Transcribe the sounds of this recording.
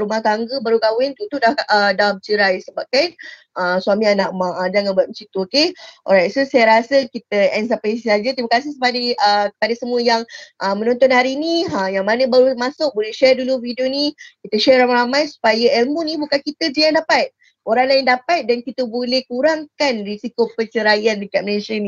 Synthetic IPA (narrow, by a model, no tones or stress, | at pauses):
ɾumahɡaŋɡəbaɾuɡawɪnt̪ut̪udahədamt͡ʃəɾajsəbap̚kan | ʔasuamĩanaʔmaadanŋanbuat̪̚əsit̪uokeʔɔ̰ɾajt̪̚sosajaɾasəkit̪̚əɛns̬apaisisad͡ʒat̪ɾimakas̬ɪhsəpadiəkə̥padasəmũəjaŋʔəmə̃nɔ̃nt̪ɔnhaɾiːniajaŋmanə̃bəɾumasʊk̚bolɛhʃɛrduluvidionikit̪əʃɛɾamaɾamajsu̥pajaɛlmunĩbukankit̪əd͡ʒəjãŋdapat̪̚ | oɾaŋlajaŋdapat̪̚dankit̪əbolɛhkuɾaŋkanrisikopət͡ʃəɾajandəkat̪̚məlesəni